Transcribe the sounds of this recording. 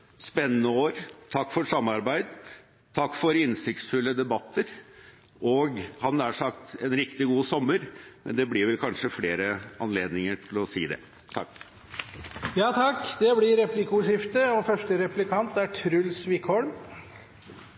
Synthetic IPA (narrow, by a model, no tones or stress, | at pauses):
spɛnːənəoːɾt̪ʰɑkːfɔʂɑmːɑɾbæɪd̪ | t̪ʰɑkːfɔɾɪnsɪkt̪sfʉlːəd̪ɛbɑt̪ːəɾ | ɔɡhɑnæʂɑkt̪ɛnɾɪkt̪ɪɡuːsɔmːəɾmɛ̰nd̪ɛblɪʋɛlkʰɑnʂəfleːɾəɑnleːd̪nɪŋəʈʰɪlɔsiːd̪ɛ̰ | t̪ʰɑ̰kː | jɑːt̪ʰɑkːd̪ɛblɪɾɛplɪkʊʂɪft̪əɔfœʂʈəɾɛplɪkʰɑnt̪æʈʰɾʉlːsʋɪkʰɔlm